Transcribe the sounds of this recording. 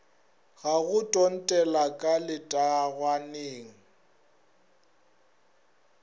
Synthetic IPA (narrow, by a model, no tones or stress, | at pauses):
ɣaɣʊtʼɔn̩tʼɛlakʼalɪtʼaɣwaneːŋ̩